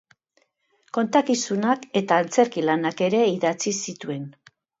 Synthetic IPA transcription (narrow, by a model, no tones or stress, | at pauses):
ko̞nt̪akisunake̞t̪aːnt͡se̞ɾkilanake̞ɾe̞iðat͡sisit̪ue̞n